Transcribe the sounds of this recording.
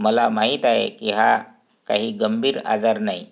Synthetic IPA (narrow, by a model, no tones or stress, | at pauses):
məlamaɦiːt̪aɦḛkiɦa | kaɦiːɡəmbʱiːɾa̰d͡zaɾnai